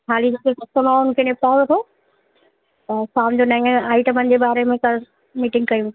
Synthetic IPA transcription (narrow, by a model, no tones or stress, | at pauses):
ɦaːlid͡ʑekekɐst̪omaːʊnkʰenẽpaːɽot̪ʰo | t̪ɐsaːmd͡ʑoːnɐ̃ə̃aːɪʈəmənɪ̆d͡ʑeːbaːɾemẽkɐɾ | miːʈɪ̃ŋɡkɐjũ